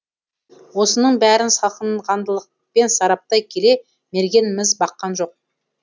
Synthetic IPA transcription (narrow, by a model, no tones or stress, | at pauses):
wo̞sənəɴbæɾɪnsɑqənʁɑnd̪əlˠəq̚ | pe̞nsɑɾɑp̚t̪ɑjkʲʰe̞le̞ | me̞ɾɡʲe̞nɪmɪzbɑqːɑnʒo̞q̚